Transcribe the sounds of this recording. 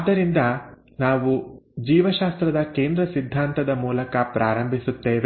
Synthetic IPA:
ad̪ːɐɾind̪ɐ | naːʋud͡ʒiːʋɐʃaːst̪ɾɐd̪ɐke̞ːnd̪ɾɐsid̪ʱːaːnt̪ɐd̪ɐmuːlɐkɐpɾʔaːɾɐmbʱisut̪ːeːʋe

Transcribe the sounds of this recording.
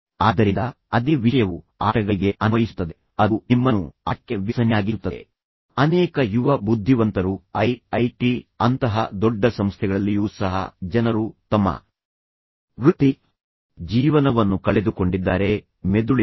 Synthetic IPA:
aːd̪ɐɾind̪ɐ | ɐd̪iʋiʂɐjɐʋu | a̰ːʈɐɡɐɭiɡe̞ʔɐnʋɐjisu̥t̪ːɐd̪e | ɐunimːɐnua̰ːʈːeʋisɐnjaːɡiut̪ːɐḛ | ɐnɛːkɐjuʋɐbud̪ʱːiʋɐnt̪ɐɾuɐjɐjʈiɐnt̪ɐɦɐ̰d̪ɔɖːɐsɐmst̪ʰɛɡɐɭɐlːijuːsɐɦɐ̰d͡ʒɐnɐɾut̪ɐmːɐ̰ | ʋɾut̪ːi | d͡ʒiːʋɐnɐʋɐnːukɐɭe̞d̪uko̞ɳɖid̪ːaːɾe̞ | med̪uɭ

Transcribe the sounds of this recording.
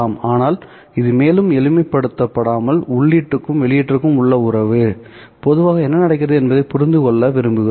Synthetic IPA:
aːmaːnaːl | ɪðɯmeːlɯmɛɻɪmɐɪpːɐɽɯt̪ːɐpːɐɽaːmɐlʊɭːiːʈrɯkːɯmʋɛɭɪjɪʈrɯkːɯmʊɭːɐʊɾɐʋɯ | pɔðɯʋaːɣɐɛnːɐnɐɽɐk̬ːɪɾɐðɯɛnbɐðɐɪpʊɾɪnd̪ɯkɔɭːɐʋɪɾɯmbɯɣɯ

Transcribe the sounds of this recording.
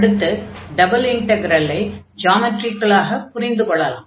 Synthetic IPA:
ɽɯt̪ːɯɖɐbɐlɪŋʈɐɡɾɐlːɐɪd͡ʒaːmɐʈrɪkːɐɭaːɣɐpʊɾɪnd̪ɯkɔɭːɐla̰ːm

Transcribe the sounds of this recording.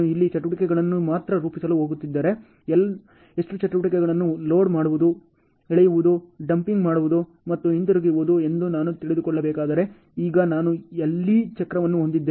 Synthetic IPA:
uilːit͡ʃɐʈuʋɐʈikɛɡɐɭɐnːumaːt̪ɾɐɾuːpisɐluɦoːɡut̪ːid̪ːaːɾe̞ | ɛl | eʂʈut͡ʃɐʈuʋɐʈikɛɡɐɭɐnːulo̞ːɖmaːɽuʋud̪u | ɛɭɛjuʋud̪uɖɐmpiŋɡmaːɽuʋud̪u | mɐt̪ːuint̪uɾuɡiʋud̪ue̞nd̪unaːnut̪iɭid̪ukɔɭːɐbɛːkaːd̪ɐɾe̞ | iːɡɐnaːnuelːit͡ʃɐkɾɐʋɐnːuɦo̞nd̪id̪ːe

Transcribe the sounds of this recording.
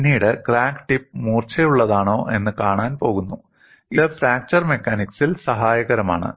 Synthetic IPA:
nːiːɽekraːkʈip̚ːmuːrt͡ɕʰɐjuɭːɐðaːɳo̞ːʔe̞nːɨkaːɳaːnpo̞ːɣunːu | iðɐfɾaːk̚t͡ɕɐrme̞kːaːniksilsɐɦaːjɐɣɐɾɐma̰ːɳɨ̰

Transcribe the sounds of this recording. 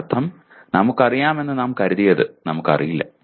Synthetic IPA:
t̪ʰːɐm | nɐmukːɐrijaːme̞nːɨnɐmkɐɾuðijɐðɨnɐmukːɐ̰rijilːɐ̰

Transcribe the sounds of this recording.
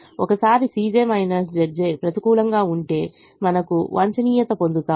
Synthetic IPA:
ɔkɐsaːɾisiːd͡ʒeːmɐjnɐːɾs̬d͡ʒɐɾd͡ʒeːpɾɐt̪ikuːlɐŋɡaːuɳʈe̞ː | mɐnɐkṵʋʔɐ̰ɲt͡ʃɐniːjɐt̪ɐpond̪ut̪aː

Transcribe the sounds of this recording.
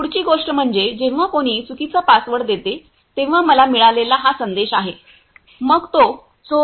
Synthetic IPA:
puɽt͡ɕiːɡoʂʈəm̤əɳd͡zed͡ʑẽʋʋakoɽ̃iːt͡sukit͡sapasʋəɽd̪et̪e | t̪ẽʋ̤aməlamiɭalelaɦasənd̪eɕaɦe | məɡt̪o | t͡so

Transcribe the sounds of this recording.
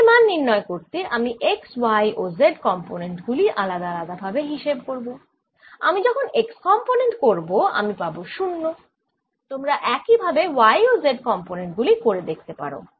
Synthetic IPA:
manːiɾnɔekoɾt̪eʔamiʔekswajʔozeɖkɔmponeɳʈɡuliʔalad̪aalad̪abʱabeɦiʃebkoɾbo | a̰mid͡ʑɔkʰonekskɔmponeɳʈkoɾboa̰mipaboʃunːo | t̪omɾaʔɛkibʱabewajozeɖkɔmponeɳʈɡulikoɾed̪ek̚ʰt̪epa̰ɾo̰

